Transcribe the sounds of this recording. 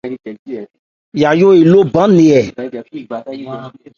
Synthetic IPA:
ja˨jo˦e˨lo˦bã˦nẽ˨ɛ˨

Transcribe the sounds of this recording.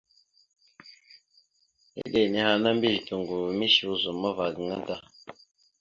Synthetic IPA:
ḛ˦de˨ni˨˦ha˨na˦m˦bi˦ʒi˨tu˨ŋɡu˨mi˦ʃi˨u˦zu˨ma˦va˨ɡi˨ŋa˦da˦

